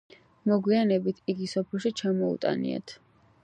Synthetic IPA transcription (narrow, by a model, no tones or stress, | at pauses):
mɔɡwianɛbit̪ʰiɡisɔpʰɛlˠʃit͡ʃʰamɔṵt̪ʼa̰nḭa̰t̪ʰ